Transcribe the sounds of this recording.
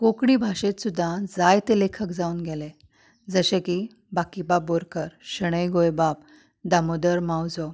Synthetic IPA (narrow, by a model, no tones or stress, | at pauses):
kokɳibʱaɕet̪sud̪ʱːad͡zajt̪elekʰəkd͡zauːnɡʱele | d͡zəɕẽki | bakibaboɾkəɾɕəɽ̃əjɡojbap̚ | d̪amod̪əɾmawd͡zo